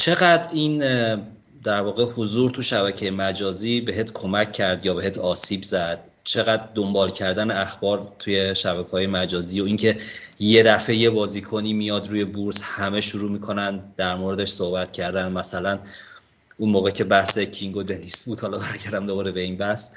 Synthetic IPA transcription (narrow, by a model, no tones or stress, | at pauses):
t͡ʃʰe̞ɣæd̪ɾin | d̪æɾvɒːɣehozuːɾt̪ʰuʃæβæcʰejemæd͡ʒɒːziːbe̞ɦet̪ʰkʰo̞mæcʰːæɾd̪jɒːbe̞ɦeːt̪ʰɒːsiːbzæd̪̥̚ | t͡ʃʰe̞ɣæd̪d̪ombɒːlcʰæɾd̪æneæxbɒːɾt̪ʰuje̞ʃæbækʰehɒːje̞mæd͡ʒɒːziːjo̞iŋcʰe̞je̞d̪æfe̞jebɒːziːkʰoniːmijɒd̪ɾuːje̞buɾshæme̞ʃuɾuːmiːkʰo̞nænd̪ːæɾmoɾed̪eʃso̞hbæt̪cʰæɾd̪ænd̪mæsælæn | unmoːɣecʰe̞bæhsecʰiŋɡo̞d̪e̞nisbuːd̪̥hɒlɒːbæɾɡɟæɾd̪æmd̪obɒɾebeiːnbæhs